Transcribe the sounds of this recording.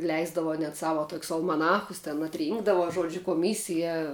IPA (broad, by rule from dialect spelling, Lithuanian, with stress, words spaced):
ˈlʲɛɪzdɐʋoː nʲɛt ˈsɑːʋɐ toːkʲsʲ ɐlˠmɐˈnɑːxʊs tʲɛn ɐtʲˈrʲiːŋɡdɐʋoː ˈʒuɔd͡ʒʲʊ koːˈmʲiːsʲɪjɛ